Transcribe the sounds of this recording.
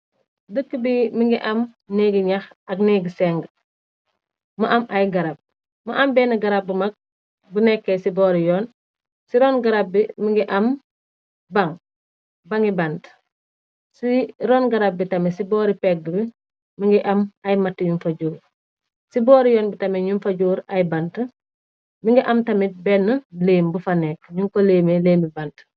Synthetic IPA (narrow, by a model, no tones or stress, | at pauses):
dəkːibimiŋɡiʔɐm | neɡiɲɐxɐɡneɡisɛŋɡ | mɐʔamʔajɡɐɾab̚ | mɐʔɐmbɛːnɐɡɐɾab̚bumɐk̚ | bunɛkːɛsibɔːɾijɔːn | siɾɔːnɡaɾab̚ːimiŋɡiʔɐm | baŋ | bɐŋiband | siɾoːnɡaɾab̚ːitɐmisibɔːɾipek̚dubi | miŋɡiʔamajmatːiɲunfaɟuːɾ | siboːɾijoːnbitɐmeɲunfaɟuːɾajbant | miŋɡiʔɐmtɐmibɛnːəleːmbufaneːkɲuŋkoleːmeleːmibant